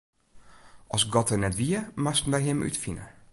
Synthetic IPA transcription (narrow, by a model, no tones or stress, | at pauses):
ɔsɡɔtənɛtʋiəmastn̩dɛjɦɪmʔy̰tfinə̰